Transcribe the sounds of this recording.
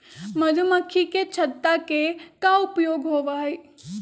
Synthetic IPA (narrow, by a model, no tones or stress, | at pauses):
mɐdʱəmɐkʰːiket͡ʃʰɐt̪ːakekaʊpjoːɡɦoːʋaːɦeː